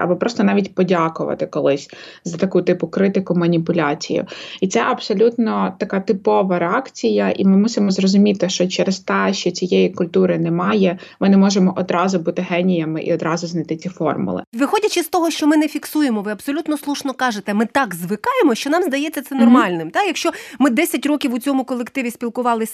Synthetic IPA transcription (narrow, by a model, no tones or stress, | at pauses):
ɐ̰bɔpɾʔɔst̪ɔnɑʋʲitʲpɔdʲakʊʋɐ̰t̪ɪkɔlˠɪsʲ | zɐt̪ɐkut̪ɪpʊkɾɪt̪ɪkʊmɐnʲipʊlʲat͡sʲḭjʊ̰it̪sɛʔɐbsɔlʲut̪nɔt̪ɐkɑt̪ɪpɔʋɐɾeɑkt͡sʲijɐʔḭmɪmusɪmɔzrɔzʊmʲit̪ɪʃt͡ʃɔt͡ʃɛɾɛst̪ɛʃt͡ʃɔt͡sʲijejikʊlʲt̪uɾɪnɛmɑjɛmɪnɛmɔʒemɔʔɔd̪ɾɑzʊbut̪ɪɦɛnʲijɐmɪʔḭɔd̪ɾɑzʊznɐjt̪ɪt͡sʲifɔ̰rmʊ̰lˠɪ̰ʋɪxɔdʲɐt͡ʃɪst̪ɔɦɔʃt͡ʃɔmɪnɛfʲiksujemɔʋɪɐbsɔlʲut̪nɔslˠuʃnɔkɑʒet̪ɛmɪt̪ɑɡzʋɪkɑjemɔʃt͡ʃɔnɑmzd̪ɐjɛt͡sʲːɐt̪sɛnɔrmɑlʲnɪmt̪ɑkjɐkʃt͡ʃɔmɪd̪ɛsʲɐtʲrɔkʲiʋʊt͡sʲɔmʊkɔlˠekt̪ɪʋʲisʲpʲilˠkʊʋɑlˠɪsʲ